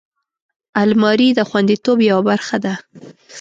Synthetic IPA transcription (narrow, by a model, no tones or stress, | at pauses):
almɑɾid̪əxwand̪it̪objawabaɾxad̪a